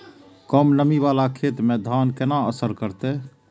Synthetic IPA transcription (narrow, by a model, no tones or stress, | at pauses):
kəmnəmiʋaːlakʰeːt̪mẽd̪ʱaːnkenaəsəɾkəɾt̪e